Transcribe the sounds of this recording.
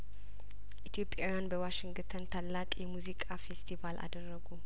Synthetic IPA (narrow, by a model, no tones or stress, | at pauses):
ʔʔit̪ʰijo̞pʼjaojanbəwaʃɪŋɡt̪ʰənt̪ʰalːakʼjɛmuzikʼafest̪ʰivalʔa̰d̪ərːəɡu